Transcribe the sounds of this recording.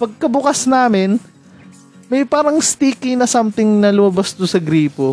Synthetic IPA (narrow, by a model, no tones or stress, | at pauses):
pɐɡ̚kɐbʊkɐsnaːmɪn | mɐjpaːɾɐŋst̪iːkinɐsamt̪ɪŋnɐlʊmɐbɐst̪ʊsɐɡɾiːpo